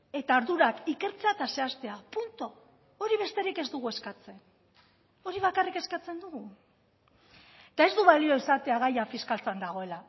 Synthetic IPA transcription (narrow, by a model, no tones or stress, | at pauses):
e̞t̪aːɾðuɾakike̞ɾt͡seat̪ase̞ast̪e̞apunt̪o̞ | oɾiβ̞e̞st̪e̞ɾike̞zd̪uɣue̞skat͡se̞n | o̞ɾiβ̞akarike̞skat͡se̞nd̪uɣu | et̪ae̞zd̪uβalio̞isat̪e̞aɣajafiskalt͡sand̪aɣ̞o̞e̞la